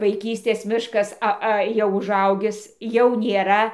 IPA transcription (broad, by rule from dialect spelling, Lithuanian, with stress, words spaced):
ʋɐɪˈkʲiːsʲtʲeːs ˈmʲɪʃkɐs ˈɐ ˈɐ jɛʊ ʊˈʒɐʊɡʲɪs jɛʊ nʲeːˈrɐ